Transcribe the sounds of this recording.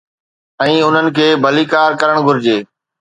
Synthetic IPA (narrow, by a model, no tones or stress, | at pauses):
ɛ̃ːʊn̤ənɪ̆kʰeːbʱɐlikaːɾkɐɾəɽ̃ɡʱʊɾɪd͡ʑeː